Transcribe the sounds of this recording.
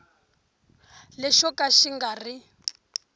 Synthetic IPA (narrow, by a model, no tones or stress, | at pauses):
lɛʃɔkaʃiŋɡari